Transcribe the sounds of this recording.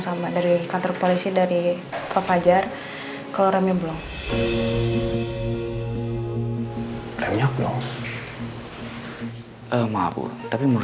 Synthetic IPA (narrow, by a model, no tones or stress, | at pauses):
samadaɾikant̪ɔrpolisidaɾi | fafad͡ʒar | kaloɾamɲabəlɔŋ | rɛmɲak̚dɔ | ʔəma̰bṵt̪apimu